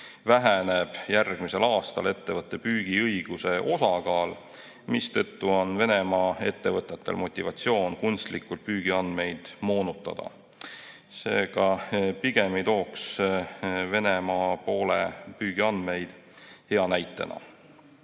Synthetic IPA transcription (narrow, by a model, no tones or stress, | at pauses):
væɦæneb̥jærɡ̥mise̞lɑːst̪ɑ̰le̞t̪ːevɤt̪ˑːe̞pyːɡ̥iɤjɡ̥use̞ʔo̞sɑkɑːl | mist̪ɤ̞t̪ːuo̞nve̞nemɑːe̞̰t̪ːe̞vɤt̪ːˑɑt̪ːe̞̰lmo̞t̪ʲːivɑt̪sio̞ːnkunst̪likult̪̚pyːɡ̥iɑnd̪̥me̞jd̪̥mo̞ːnut̪ːˑɑ̰d̪̥ɑ̰ | se̞̰ːɡ̥ɑpiɡ̥e̞mejt̪o̞ːks | ve̞nemɑːpo̞ːlḛpyːɡ̥iɑnd̪̥me̞jd̪̥ | he̞ɑnæjt̪ːˑe̞̰nɑ̰